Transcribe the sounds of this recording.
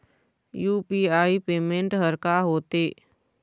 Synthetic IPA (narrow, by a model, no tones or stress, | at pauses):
juːpiːaːipeːmẽɳʈɦəɾkaɦoːt̪eː